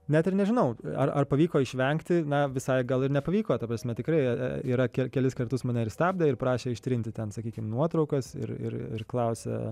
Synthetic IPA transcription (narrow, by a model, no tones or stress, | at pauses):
nʲæt̪ɪɾnʲɛʒʲɪnɐʊɐ̰rɐrpɐʋʲiːkoːɪʃʲʋʲɛŋkt̪ʲɪnɐʋʲɪsɐɪɡɐlˠɪɾnʲɛpɐʋʲiːkoːt̪ɐpɾɐsʲmʲɛt̪ʲɪkɾɐɪiːɾɐkʲɛkʲɛlʲɪskɐrt̪ʊsmɐːnʲɛɪɾsʲt̪ʲɑːb̚ʲd̪ʲeɪɾpɾɑːʃʲeːɪʃʲt̪ʲɾʲɪnʲt̪ʲɪt̪ʲɛnsɐkʲiːkʲɪmnuɔt̪ɾɐʊkɐsɪ̰ɾɪ̰rɪ̰rklˠɐʊsʲɛ̰